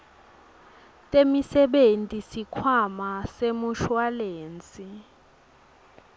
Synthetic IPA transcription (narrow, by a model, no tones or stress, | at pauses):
tʼemisɛɓentʼisikʰwamasemuʃwaleːnt͡sʼi